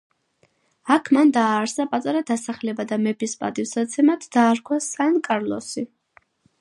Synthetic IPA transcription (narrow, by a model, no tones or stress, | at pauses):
akʰmand̪aːɾsapʼat̪ʼaɾad̪asaχlɛbad̪amɛpispʼa̰t̪ʼifsat̪sʰɛmat̪ʰd̪aːɾkʰwasankʼaɾlˠɔsi